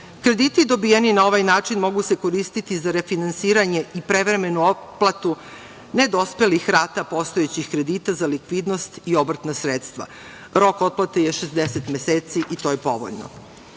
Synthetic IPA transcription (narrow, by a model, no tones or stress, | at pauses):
kɾe̞d̪iːt̪id̪o̞bijeninao̞ʋajnaːt͡ʂinmo̞ɡuse̞ko̞ɾist̪it̪izaɾefinansiːɾaɲe̞ʔipɾe̞ʋɾe̞me̞nuoplˠat̪u | ned̪o̞spe̞lixɾaːt̪apo̞st̪o̞et͡ɕixkɾe̞d̪it̪azalikʋid̪no̞st̪io̞bɾr̩t̪nasɾet̪st̪ʋa̰ | ɾo̞ko̞t̪̚plˠat̪eje̞ʃezd̪eset̪meseːt̪siʔit̪o̞je̞po̞̰ʋo̰ʎno̰